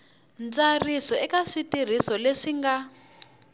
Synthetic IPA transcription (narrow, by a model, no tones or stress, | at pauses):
nd͡zarisɔɛkaʂitir̤isɔleʂiŋɡa